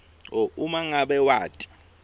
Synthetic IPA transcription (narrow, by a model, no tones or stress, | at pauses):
ɔumaŋaɓɛwaːtʼi̥